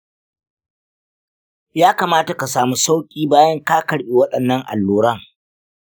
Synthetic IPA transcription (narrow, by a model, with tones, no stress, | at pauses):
jaː˦kaː˨maː˦ta˨ka˨saː˨mu˦sa˦wkʲʼiː˦baː˦jɐ˦ŋkaː˦kɐ˨ɽɓi˨wɐ˦ɗɐ˨nːɐ˦ŋʔa̰˨lːuː˨ɾɐ˦ŋ